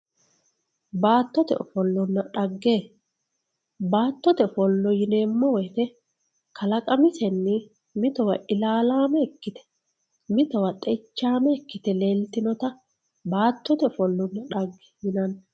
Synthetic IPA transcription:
baːt̪ːɔt̪ɛ̰ɔfɔlːɔnːɐᶑɐɡːeː | baːt̪ːɔt̪ɛfɔlːɔjɪne̞ːmːɔwɔjt̪ɛ | kɐlɐkʼɐmɪsɛnːɪ | mɪt̪ɔwɐʔɪlaːlaːmɛɛkːɪt̪ɛ̥ | mɪt̪ɔwɐt̪ʼɛt͡ʃːaːmɛkːɪt̪ɛle̞ːlt̪ɪnɔt̪ɐ | baːt̪ːɔt̪ɛfɔlːɔnːɐᶑɐɡː | jɪnɐn

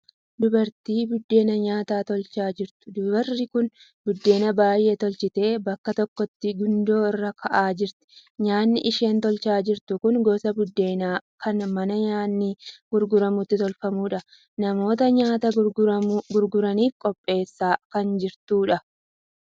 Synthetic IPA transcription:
d̪ʊbɐɾt̪iːbʊd̪ːe̞ːnɐɲaːt̪aːt̪ɔlt͡ʃaːd͡ʒɪɾt̪ʊ̥d̪ʊbɐrːɪkʊn | bʊd̪ːe̞ːnɐbaːjʔet̪ɔlt͡ʃɪt̪e̞ːbɐkːɐt̪ɔkːɔt̪ːɪɡʊnd̪o̞ːɪrːɐkʰɐʔaːd͡ʒɪɾt̪ɪ̥ɲaːnːɪʔɪʃe̞ːnt̪ɔlt͡ʃaːd͡ʒɪɾt̪ʊkʊŋɡoːsɐbʊd̪ːe̞ːnaːkʰɐnmɐnɐɲaːnːiɡ̥ʊɾɡʊɾɐmʊt̪ːɪt̪ɔlfɐmuːᶑɐ | nɐmo̞ːt̪ɐɲaːt̪ɐ | ɡʊɾɡʊɾɐniːfkʼɔpʼːe̞ːsːaːkɐnd͡ʒɪɾt̪uːᶑɐ

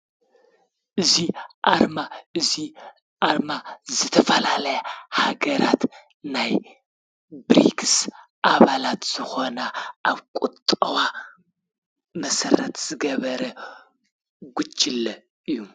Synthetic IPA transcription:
ʔɨziʔaɾmaʔɨzi | ʔaɾmazɨt̪ʰɐfɐlalɐjahaɡɐɾat̪ | naj | bɾḭksʔaβalat̪z̥ɨxo̞naʔaβkʼut̪ʼɐwa | mɐsɐɾɐt̪z̥ɨɡɐβɐɾɐ | ɡut͡ʃʼːɪlɐ | ʔɨjːu

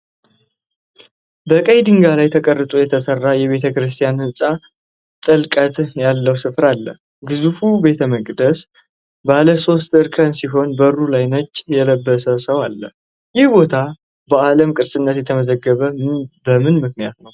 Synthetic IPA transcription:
bəkʼəjd̪ɨŋɡalajt̪ʰəkʼərːɨt̪ʼujɛt̪ʰəsərːajɛβe̞t̪ʰəkɾɨst̪ʰʼijanhɨsʼa | t̪ʼɨlkʼət̪jalːəwsɨfɾalːə̰ | ɡɨzufube̞t̪ʰəməkʼd̪əs | baləso̞st̪ɨɾkʰənsiɦo̞nbərːulajnət͡ʃːʼjɛləbːəsəsəwalːə̰ | jɪhbo̞t̪ʰa | bəaləmkʼɨɾsʼɨnːət̪jɛt̪ʰəməzəɡːəβəbəmɨnmɨknijat̪nəw

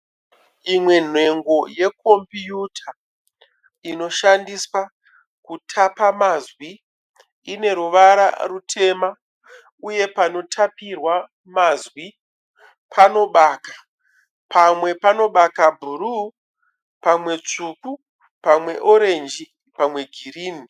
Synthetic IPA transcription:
imwe̞n̤e̞ŋɡo̞je̞kʰo̞mbijutʰa | ino̞ʃandiswa | kutʰapamazwi | ine̞ɾuʋaɾa̰rutʰe̞ma | uje̞pano̞tʰapirwa | mazwi | pʰano̞ɓaːkḁ | pʰamwe̞pano̞ɓakabʱuɾu | pamwe̞t͡ʂuku | pamwe̞ʔo̞ɾe̞nd͡ʒi | pamwe̞ɡʱiriːni

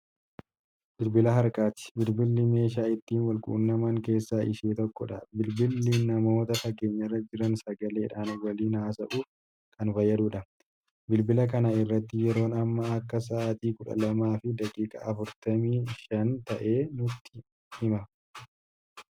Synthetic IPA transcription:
bɪlbɪlɐɦɐɾkʼaːt̪ɪ̥bɪlbɪlːɪme̞ːʃaːɪt̪ːiːnwɐlkʼṵːnːɐmaːŋke̞ːsːaːʔɪʃeːt̪ɔkːɔᶑɐ̰bɪlbɪlːiːnːɐmo̞ːt̪ɐfɐɡe̞ːɲːɐrːɐd͡ʒɪɾɐnsɐɡɐle̞ːᶑaːnwɐliːnaːsɐʔuː | kɐnfɐjːɐd̪uːᶑɐ | bɪlbɪlɐkɐnɐɪrːɐt̪ːɪjɛɾo̞ːnɐmːɐːkːɐs̬ɐːt̪iːkʊᶑɐ̰lɐmaːfɪd̪ɐkʼiːkʼɐ̰ɐfʊɾt̪ɐmiːʃɐnt̪ɐʔe̞ːnʊt̪ːɪ̥ | hɪmɐ

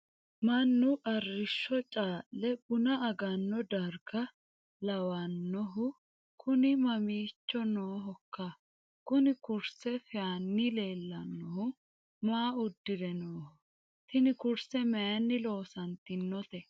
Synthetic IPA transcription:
mɐnːʊʔɐrːɪʃːɔt͡ʃʼaːlːɛbʊnɐɐɡɐnːɔd̪ɐɾɡɐ | lɐwɐnːɔɦʊ | kʰʊnɪmɐmiːt͡ʃːɔnoːɦɔkːɐ | kʊnɪkʊɾsɛfɛanːɪle̞ːlːɐnːɔhʊ | maːʊd̪ːɪd̪ɛnoːhɔ | t̪ɪnɪkʊɾsɛmɛjɐnːɪlo̞ːsɐnt̪ːɪnːɔt̪ɛ

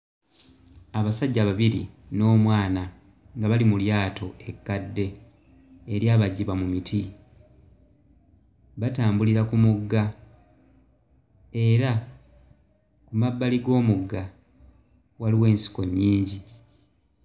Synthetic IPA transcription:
aβasaɟːaβaβiɾḭno̞ːmwaːna | ŋɡaβalimuljaːtʰo̞e̞kːadːe̞ː | ɾjaːβaɟːiβamumitʰi | βataːmbuliɾakumuɡːa | e̞ɾa | kumabːaliɡo̞ːmuɡːa | waliwe̞ːnsi̥ko̞ɲːiːɲɟi

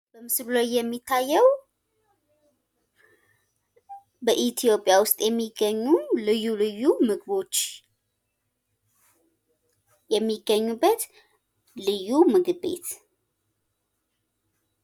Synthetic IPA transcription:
bəmɨsllojːɛmːit̪ʰːajːɛw | bəʔit̪ʰijo̞pʼːjawʊst̪ʼjɛmːiɡːəɲːulɨjːulɨjːumɨɡβo̞t͡ʃː | jɛmːiɡːəɲːubːət̪ | lɨjːumɨɡɨbe̞̰t̪

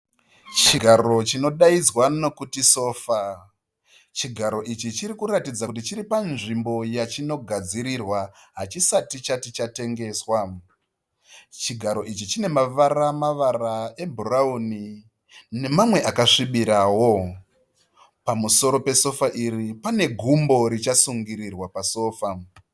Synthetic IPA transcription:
t͡ʃiɡʱaro̞t͡ʃino̞ɗaid͡zwano̞kutiso̞ːfa | t͡ʃiɡʱaɾo̞ʔit͡ʃit͡ʃiɾikuratid͡zakut̬it͡ʃiɾipanʐimbo̞jat͡ʃino̞ɡʱad͡ziɾirwaɦat͡ʃisatit͡ʃatit͡ʃate̞ŋɡe̞ːswa | t͡ʃiɡʱaɾo̞ʔit͡ʃit͡ʃine̞maʋaramaʋarae̞bʱurauni | ne̞mamwe̞ʔakaʂiɓiɾawo̞ | pamuso̞ɾo̞pe̞so̞faʔiripane̞ɡʱumbo̞ɾit͡ʃasuŋɡiɾirwapaso̞ːfa

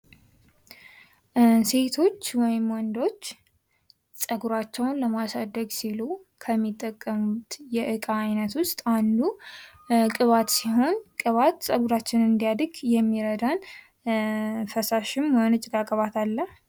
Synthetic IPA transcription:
se̞t̪ʰo̞t͡ʃːwɔjɪmwɔnd̪o̞t͡ʃː | sʼəɡuɾat͡ʃːɛwnləmasad̪ːəɡsilu | kʰəmːit̪ʼːəkʼːəmut̪jɛʔɨkʼaːjnət̪wʊst̪ʼand̪u | kʼɨβat̪siɦo̞nkʼɨβat̪sʼəɡuɾat͡ʃːɪnɨnd̪ijad̪ɡjɛmːiɾəd̪an | fəsaʃɪmənɨt͡ʃʼɪɡakʼəβat̪ʰalːəh

